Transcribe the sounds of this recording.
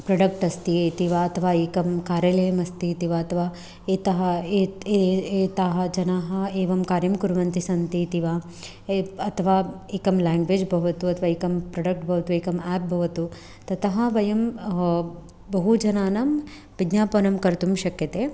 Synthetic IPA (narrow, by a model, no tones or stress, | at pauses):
pɾɐɖɐkʈɐst̪iet̪iʋaɐt̪ʰɐʋaːeːkɐmkaːɾjɐlɐjɐmɐst̪it̪iʋaɐt̪ʰɐʋaː | eːt̪ɐɦɐe | eːt̪aːɦɐd͡ʒɐnaːɦɐeːʋɐmkaːɾjɐmkuɾuʋɐnt̪isɐnt̪it̪iʋaː | ɐt̪ʰɐʋaː | eːkɐmlaːŋɡʋeːd͡ʒbʱɐɦʋɐt̪uɐt̪ʰʋaːikɐmpɾɐɖɐk̚ʈbʱɐʋɐt̪ueːkɐmɛːp̚bʱɐʋɐt̪u | t̪ɐt̪ɐɦɐ̆ʋɐjɐm | bɐɦud͡ʒɐnaːnɐm | ʋid̪njaːpɐnɐmkɐɾt̪umʃɐkjɐt̪e